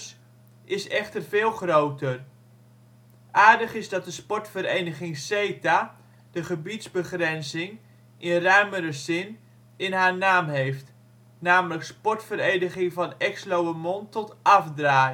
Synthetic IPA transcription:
s | ɪsɛχtərvɪːlˠχrowtər | ʔaːɹdəχɪzdɑt̚dəspɔɹtfəɾejnəχɪŋsejtaː | d̥əχəbitzbəχrɛnzɪŋ | ʔɪnrœɥməɾəzɪn | ɪnɦaːɹnaːmɦejft | naːmələkspɔɹtfəɾejnəχɪŋvɑnɛkslowəmɔntɔtʔɑfdraːj

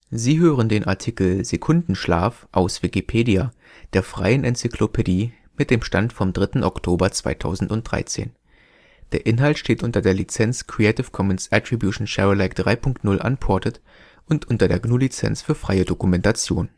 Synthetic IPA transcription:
ziːɦøːʁəndeːnʔaɐtʰikl̩zekʰʊndn̩ʃla̰ːfʔaʊsv̥ikipʰeːdia | d̥eːɐfʁ̥a̰ɪənʔɛnt͡sikʰlopʰediː | mɪt̚d̥eːmʃtantfɔmdʁɪtn̩ʔɔktʰoːbɐt͡sv̥a̰ɪtʰa̰ʊzn̩tʊnt̚d̥ʁa̰ɪt͡sḛːn | d̥eːɐʔɪnɦaltʃteːtʔʊntɐdeːɐlit͡sɛnt͡skʁ̥iɛɪtɪfkʰɔmənsʔɛtʁ̥ibjuʃn̩ʃɛʁɪlaɪkd̥ʁaɪpʰʊŋktnʊlʔa̰npʰɔɐtət | ʔʊntʔʊntɐdeːɐɡnuːlit͡sɛ̰nt͡sfyːɐfʁ̥a̰ɪədokumɛntat͡sjo̰ːn

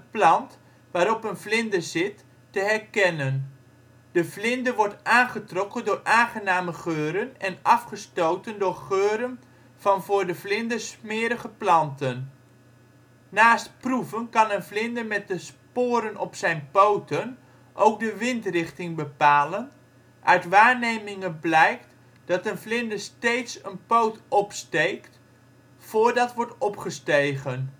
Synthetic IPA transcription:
əplɑnt | ʋaːɾɔpənvlɪndəzɪtː | əɦɛrkɛnən | d̥əvlɪndəʋɔɹtʔaːnχətrɔkəndʊːrʔaːnχənaːməχøːɾənɛnɑfχəstowtəndʊːrχøːɾən | v̥ɑnvʊːrdəvlɪndəsmɪːəɾəχəplɑntən | naːstpruvənkɑnənvlɪndəɹmɛt̚dəspoʊːɾənɔpsɛjnpowtən | ʔowk̚dəʋɪntrɪχtɪŋbəpaːlən | ʔœɥtʋaːɹnejmɪŋənblɛjkt | d̥ɑtənvlɪndəɹstejtsənpowtɔpstejkt | fʊːɹdɑtʋɔɹtɔpχəstejχən

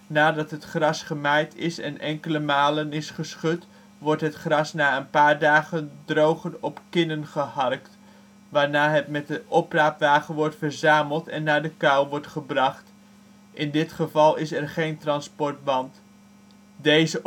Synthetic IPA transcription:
naːdɑtɦətχrɑsχəmɛjtʰɪsɛ̰nʔɛŋkələmaːlənɪsχəsχɵt | ʋɔɹtɦətχrɑsnaːənpaːɹdaːχəndrowχənɔpkɪnənχəhɑrkt | ʋaːɹnaːɦətmɛt̚dəʔɔpraːpʋaːχənʋɔɹtfəɹzaːməlˠtɛnːaːɹdəkawʋɔɹtχəbrɑχt | ʔɪndɪtχəvɑlˠɪsɛrχejntrɑnspɔɹt̚bɑnt | dejzə

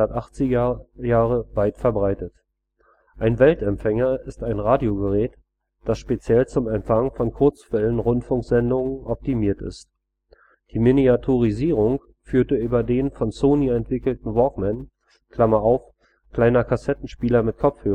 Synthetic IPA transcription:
ɐtʔaχt͡sɪjaːʁəvaɪtfɛɐbʁaɪtət | ʔaɪnvɛltɛmfɛŋɐɪstaɪnʁaːdjoɡəʁɛːt | d̥asʃpet͡sjɛlt͡sʊmɛmfaŋfɔnkʰʊɐt͡sfɛlənʁʊntfʊŋkz̥ɛndʊŋənɔp̚timiːɐtɪ̰st | d̥iːmeniatʰoʁiziːʁʊŋ | fyːɐtəʔyːbɐdeːnfɔnsoːniɛntv̥ɪkl̩tn̩vɔkmɛn | kl̥amɐaʊf | kl̥aɪnɐkʰasɛtn̩ʃpiːlɐmɪt̚kʰɔp͡fhøː

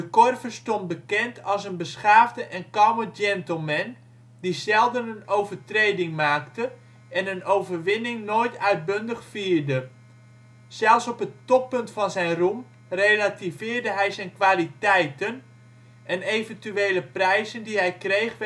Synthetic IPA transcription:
dəkɔrvərstɔnt̚bəkɛntʰɑlˠsənbəsχaːvdəʔɛnkɔwməd͡ʒɛntəl̩ˠmɛn | dizɛlˠdənənowvərtrejdɪŋmaːktə | ʔɛnənowvərʋɪnɪŋnoːjtʰœɥt̚bøndəχfiːɹdə | z̥ɛlˠfsɔpətɔp̚pɵntfɑnzɛjnrum | relativɪːrdəɦɛjzɛjnkʋaːlitɛjtən | ʔɛnejvəntyeːləprɛjzəndiɦɛjkrejχ

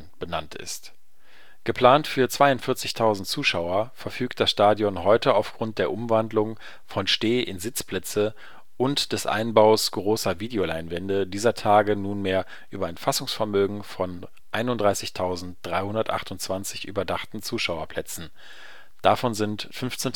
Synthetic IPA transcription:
b̥ənantɪ̰st | ɡ̥əpʰl̥aːntfyːɐt͡sv̥aɪʊntfɪɐt͡sɪçtʰaʊzn̩tt͡suːʃaʊɐfɛɐfyːk̚t̚d̥asʃtaːdjɔnɦɔʏtəaʊfɡ̥ʁʊnt̚d̥eːɐʔʊmvandlʊŋ | fɔnʃteːʔɪnzɪt͡spl̥ɛt͡sə | ʔʊntd̥ɛsʔa̰ɪnbaʊsɡ̥ʁoːsɐviːdeolaɪnvɛndədiːzɐtʰaːɡənuːnmeːɐ | ʔyːbɐaɪnfasʊŋsfɛɐmøːɡŋ̩fɔn | ʔaɪnʊntdʁaɪsɪçtʰaʊzn̩td̥ʁaɪhʊndɐtʔa̰χtʊnt͡sv̥ant͡sɪçʔy̰ːbɐdaχtn̩t͡suːʃaʊɐpʰl̥ɛt͡sn̩ | d̥afɔnzɪntfʏnft͡sen

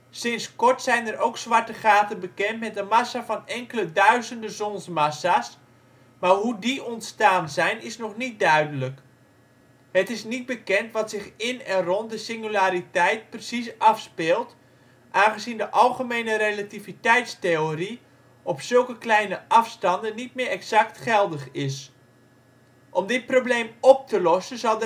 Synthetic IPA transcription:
sɪnskɔɹtsɛjnərowksʋaɹtəχaːtənbəkɛntmɛtdənmasafɑnɛŋkələdœɥzəndəzɔnsmasas | maːrɦudiʔɔntstaːnzɛjnɪsnɔχnit̚dœɥdələk | hətɪsnit̚bəkɛntʋɑtsɪxɪnɛnrɔnt̚dəsɪŋylaːɾitɛjt̚prəsis̬ɑfspɪːlˠt | ʔaːnχəzindəʔɑlˠχəmejnəɾelativitɛjtsteori | ʔɔpsɵlˠkəklɛjnəʔɑfstɑndənːitmɪːɾɛksaktχɛlˠdəχɪs | ʔɔmdɪt̚probleːmɔp̚təlɔsənzɑlˠ

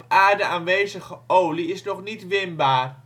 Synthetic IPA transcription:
paːɹdəaːnʋejzəχəowliɪsnɔχnitʋɪnbaːr

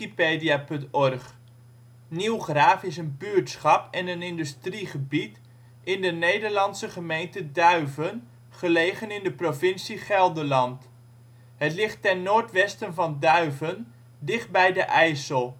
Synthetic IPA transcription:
ipeːdijapɵntɔrχ | niwχraːfɪsənbyɹtsχɑpɛnənɪndystriχəbit | ʔɪndənejdəɹlɑntsəχəmejntədœɥvən | χəlejχənɪndəprovɪnsiχɛlˠdəlɑnt | hətlɪχtːɛnːoːɹtʋɛstənvɑndœɥvən | dɪχ̚bɛjdəʔɛjsəlˠ

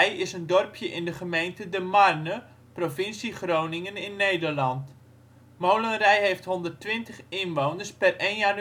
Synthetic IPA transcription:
jɪsəndɔrpʰjəʔɪndəχəmejntədəmarnə | profɪnsiχrownɪŋənɪnːejdərlɑnt | mowlənrɛjɦejftɦɔndərtʋɪntəχɪnʋownərspɛreːnjan

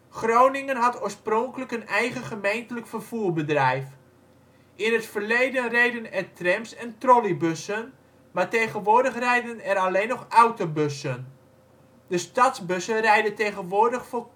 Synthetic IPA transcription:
χrownɪŋənɦatoːɹsprɔŋkələkənɛjɣəχəmejntələkfərv̥uːrbədrɛjf | ʔɪnətfərlejdənrejdənɛrtrɛmsɛntrolibøsən | maɹtejχənʋʊːdəχrɛjdənɛɾaleːnɔxawtobøsən | dəstɑtzbɵsərɛjdətejɣənʋʊːrdəχfo

